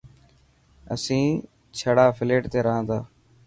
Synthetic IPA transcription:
ə̰sĩː | t͡ʃʰəɽaːfʰɪleːʈt̪eːɾəɦãːt̪ʰaː

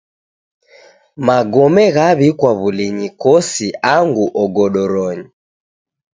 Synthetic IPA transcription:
maɡɔmɛɣaβikwaβuliɲikɔsiaŋɡuʔɔɡɔɗɔɾɔɲi

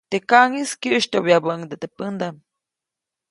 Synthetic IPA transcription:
t̪ekaŋiskjəʔʃt̪ʲoβjabəʔŋd̪et̪epɨnd̪am

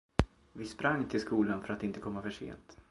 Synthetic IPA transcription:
vɪspɾaŋːt̪ʰɪlskuːlanfœɾat̪ɪnt̪əkʰɔmːafœʂḛːnt̪

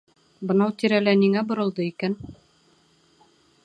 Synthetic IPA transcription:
bɤ̆nɑwt̪iɾælæniŋæbŏɾɤ̆lˠd̪ɤikæn

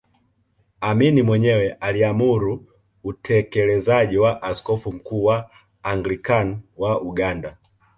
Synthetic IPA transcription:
aminimwɛɲɛwɛʔaliamuɾuː | tʰɛkɛlɛzaʄiwaʔaskɔfum̩kuːwaː | ŋɡlikanwauɡanda

